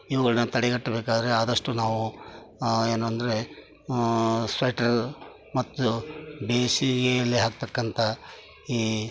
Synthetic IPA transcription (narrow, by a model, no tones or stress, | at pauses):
iʋɐɡɐɭɐnɐt̪ɐɽɛɡɐʈːɐbe̞ːkaːd̪ɐɾe̞aːd̪ɐʂʈːunaːʋu | e̞ːnuɐnd̪ɐɾe̞ | sʋɐjʈɐɾ | mɐt̪ːubeːsiɡeɐlːiɦaːk̚t̪ɐkːɐnt̪ʰɐ | iː